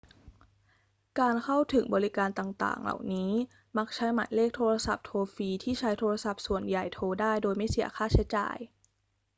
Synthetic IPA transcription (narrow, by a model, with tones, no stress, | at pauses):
kaː˧nkʰa˥˩wt̪ʰɯ˨˩˦ŋbɔː˧ɾi˦˥kaː˧nt̪aː˨˩ŋt̪a̰ː˨˩ŋla̰˨˩wniː˦˥ | ma˦˥k̚t͡ɕʰa˦˥jma̰˨˩˦jleː˥˩k̚t̪ʰoː˧ɾa˧sa˨˩p̚t̪ʰoː˧fiː˧t̪ʰiː˥˩t͡ɕʰa˦˥jt̪ʰoː˧a˧sa˨˩p̚su˨˩ənja˨˩jt̪ʰoː˧daː˥˩jdoː˧jma˥˩jsi˨˩˦ɐxʰaː˥˩t͡ɕʰa˦˥jt͡ɕa̰ː˨˩j